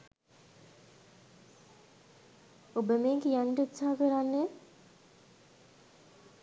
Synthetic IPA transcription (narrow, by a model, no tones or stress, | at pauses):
obəmeːŋɡejanɖəut̪saɦɐkəɾanːe